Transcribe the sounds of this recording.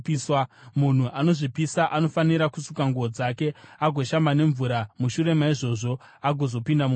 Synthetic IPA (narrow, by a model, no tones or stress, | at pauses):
swamun̤uʔano̞ʐipisaʔano̞faniɾakusukaŋɡuod͡zake̞aɡʱo̞ʃambane̞ɱvuɾamuʃuɾe̞maiʐo̞ʐo̞ | aɡʱo̞zo̞pindam